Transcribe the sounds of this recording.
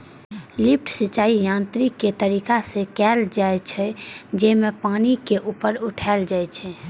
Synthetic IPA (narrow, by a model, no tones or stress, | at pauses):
lip̚ʈʰsit͡ʃːaijãnt̪ɾikːet̪əɾikasẽkɛld͡ʒajt͡ʃʰɛd͡ʒemepanikeʔupəɾuʈʰald͡ʒajt͡ʃʰɛ